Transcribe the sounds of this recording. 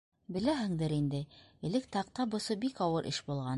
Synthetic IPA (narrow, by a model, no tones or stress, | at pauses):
bɘ̆læɦɘ̆ŋd̪ɘɾind̪ɘɘ̆lɘk̚t̪ɑq̚t̪ɑbŏsɤbikɑwɤɾʔɘ̰ʃbulˠʁɑn